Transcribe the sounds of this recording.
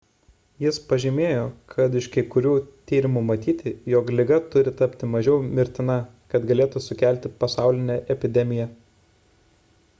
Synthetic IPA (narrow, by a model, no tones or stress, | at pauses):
jɪspɐʒʲɪmʲeːjoːkʰɐt̪ɪʃkʲɐɪkʊɾʲuːt̪ʲiːɾʲɪmumɐt̪ʲiːt̪ʲɪjoːklʲɪɡɐt̪ʊɾʲɪt̪ɐpʲt̪ʲɪmɐʒʲɛʊmʲɪɾʲt̪ʲɪnɐ | kɐt̪ɡɐlʲeːt̪usʊkʲæˑlʲt̪ʲɪpɐsɑˑʊlʲɪnʲɛʔɛpʲɪd̪ʲɛmʲɪjɛ